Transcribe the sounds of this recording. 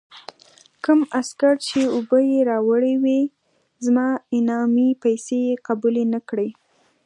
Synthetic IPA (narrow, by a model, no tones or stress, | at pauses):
kəmaskaɾt͡ʃeʊbəjeɾɑwəɽewi | zmɑɪnɑmipajsejeqabulenakɽe